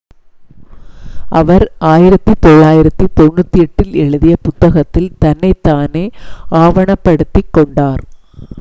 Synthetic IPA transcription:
ʔɐʋɐɾaːjɪɾɐt̪ːɯt̪ɔɭːaːjɪɾɐt̪ːɯt̪ɔnːɯt̪ːiɛʈːɪlɛɻɯðɪjɐpʊt̪ːɐɣɐt̪ːɪlt̪ɐnːɐɪt̪ːaːneːaːʋɐɳɐpːɐɽɯt̪ːɪkːɔɳɖaːɾ

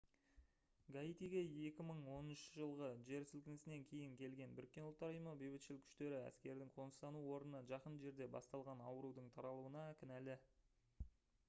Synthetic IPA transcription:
ɡait̪ijɡʲe̞je̞kʲɪməɴwo̞nənʃəʒəlˠʁəʒe̞ɾsʏlkʲɪnɪsɪneŋkʲʰe̞jɪŋkʲʰe̞lɡʲe̞nbʏɾɪk̚ʲːe̞nʊlˠt̪ːɑɾəjəməbejbɪt̪ʃɪlɪkʲʰʏ̥ʃt̪e̞ɾɪæ̰skʲe̞ɾd̪ɪŋqʰo̞nəst̪ɑnuwo̞ɾnənəʒɑqənʒe̞ɾd̪e̞bɑ̰st̪ɑlˠʁɑnɑwəɾud̪əɴt̪ʰɑɾɑlˠuənɑkʲɪnælɪ

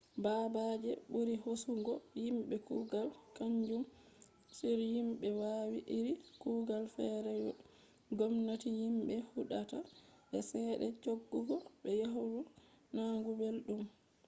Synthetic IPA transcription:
baːbad͡ʒɛɓuɾihosuŋɡɔjimɓɛkuːɡalkaɲd͡ʒum | siɾjimɓɛwaːwiʔiɾikuːɡalfɛɾɛjɔ | ɡomnatijimɓɛhuɗataɓɛsɛːɗɛ̰t͡ʃoɡːuɡɔɓɛjaɦuɾunaːŋɡubelɗum

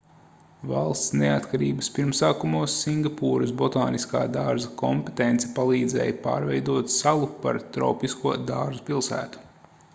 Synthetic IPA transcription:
vɑ̰lˠst̪sneat̪kaɾḭːbəspiɾmsaːkumuɔsːiŋɡapuːɾɐsbɔt̪aːniska̰ːd̪aːɾzakɔmpet̪ent̪sɛ̥palˠiːd̪zɛ̰ːjpa̰ːɾvɛjd̪uɔt̪salˠupa̰ɾt̪ɾɔ̰wpiskuɔd̪aːɾzupilˠsæ̰ːt̪u̥

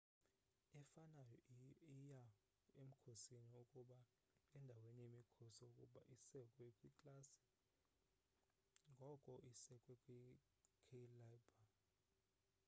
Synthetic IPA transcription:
ɛfanajɔija | em̩kʰosiniukʼuɓa | ɛndʱawenijemikʰosiukʼṵɓaʔisɛkʼwɛkʼwikʼlasi̥ | ŋɡʱɔkʼɔʔisɛkʼwɛkʼwi | kʰɛlabʱa

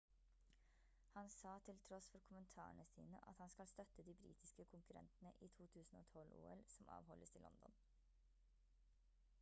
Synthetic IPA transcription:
hɑnsɑːt̪ʰɪlt̪ʰɾɔsfɔɾkʰʊmənt̪ʰɑ̰ːəɳəsḭːnəʔɑ̰t̪hɑnskɑlst̪œt̪əd̪iːbɾḭːt̪ʰɪskəkʰʊŋkʉɾɛ̰nt̪nəʔiːt̪ʰuːt̪ʰʉːsn̩o̰ːt̪ʰɔlṵːɛlsɔmɑ̰ːʋhɔlːəst̪ʰɪlɔ̰nd̪ɔ̰n

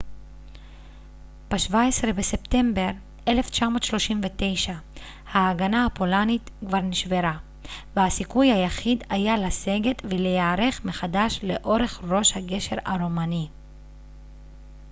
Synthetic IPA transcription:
b̥eʃvaesʁe̞bese̞pt̪e̞mbe̞ʁ | eleft͡ʃamo̞ːt̪ʃlo̞ʃimvet̪e̞jʃa | haːɡanahapo̞lanit̪kvaʁniʃve̞ʁa | vehasikujhajaχid̪ajalase̞ɡe̞t̪velejaːʁeχmeχad̪aʃle̞ʔo̞ʁe̞χʁo̞ʃhaɡe̞ʃe̞ʁaʁomani

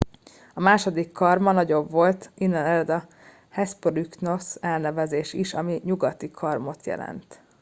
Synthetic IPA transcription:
ɒmaːʃo̞d̪ikʰːɒrmɒnɒɟo̞bʋo̞lt̪inːɛnɛrd̪ɒ | hɛspolikno̞sɛlnɛvɛzeːʃiʃɒmiɲuɡɒt̪ikʰɒrmo̞t̪jɛ̰lɛ̰nt̪

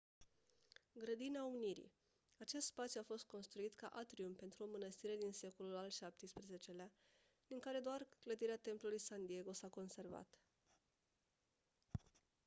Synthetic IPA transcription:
ɡɾəd̪ineauniɾḭ | at͡ʃe̞st̪spat̪sjuafo̞st̪̚ko̞nst̪ɾuit̪ka̰ʔat̪ɾiumpe̞nt̪ɾuo̞mənəst̪iɾe̞d̪inse̞ko̞lulalʃap̚t̪ijspɾeze̞t͡ʃe̞lea | d̪̥iŋkaɾe̞d̪oarkləd̪iɾeat̪e̞mplulujsand̪ije̞ɡo̞sako̞nse̞rva̰t̪

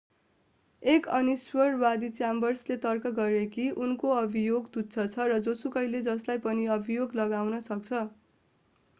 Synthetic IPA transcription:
ekʌniswʌrwad̪it͡sambʌrslet̪ʌrkʌɡʌɾekiʔunkoʌbʱijoɡt̪ut̪t͡sʰʌt͡sʰʌrʌd͡zosukʌjled͡zʌslajpʌniʌbʱijoɡlʌɡawnʌsʌk̚t͡sʰʌ

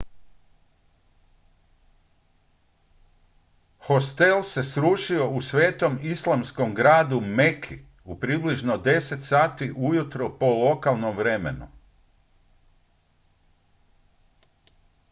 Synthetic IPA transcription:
xost̪e̞lˠse̞sɾuʃio̞usʋe̞ːt̪o̞mislˠamskomɡɾaːd̪umekʰi | upɾibliʒnod̪e̞se̞t̪saːt̪iʔujut̪ɾopo̞lo̞kalˠnomʋɾemḛnṵ

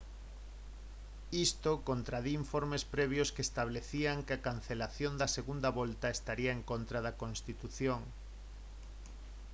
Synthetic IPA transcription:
ist̪okont̪ɾaðiiɱfoɾmespɾɛβ̞joskeːst̪aβleθiaŋkakan̟θelaθjond̪ɐseɣund̪ɐβolt̪aest̪aɾiaeŋkont̪ɾaðɐkõnst̪it̪uθjoŋ

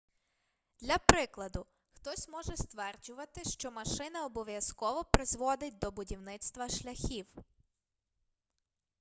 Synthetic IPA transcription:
d̪̥lʲɐpɾɪklˠɐd̪ʊ | xt̪ɔsʲmɔʒɛst̪ʋɛrd͡ʒʊʋɐt̪ɪʃt͡ʃɔmɐʃɪnɐɔbɔʋʲjɐskɔʋɔpɾɪzʋɔd̪ɪt̚ʲd̪ɔbʊdʲiwnɪt̪st̪ʋɐʃlʲɐxʲiw

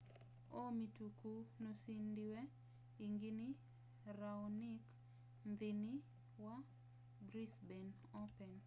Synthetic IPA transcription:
omitukunosindiwɛ | iŋɡini | ɾaɔnik | nd̪ɪni | wa | bɾisbɛn | ɔpɛn

